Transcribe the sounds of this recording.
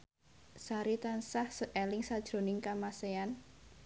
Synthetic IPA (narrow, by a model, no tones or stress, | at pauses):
saɾit̪ansahsəʔɛlɪŋsad̥ʒ̥ɾo̤nɪŋkamasean